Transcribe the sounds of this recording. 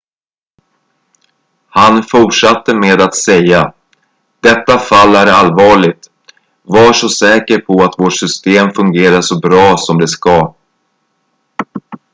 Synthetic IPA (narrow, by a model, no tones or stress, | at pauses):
hanfʊʈʂat̪ːəmeːd̪at̪sɛjːa | d̪̥ɛt̪ːafalːæɾalvɑːɭɪɡ̚t̪ | vaʂɔsɛːkəɾpʰɔat̪voːʈʂʏst̪eːmfɵŋɡeːɾaʂɔbɾɑːsɔmd̪ɛskɑ